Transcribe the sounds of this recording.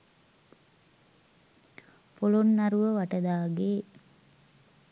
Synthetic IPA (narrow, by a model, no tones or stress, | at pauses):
polonːaɾuʋəʋaʈəd̪aːɡeː